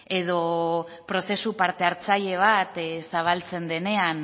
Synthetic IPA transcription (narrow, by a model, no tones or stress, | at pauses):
e̞ð̞o̞pɾo̞se̞supaɾt̪e̞aɾt͡saʎe̞β̞at̪saβ̞alt͡se̞nd̪e̞ne̞an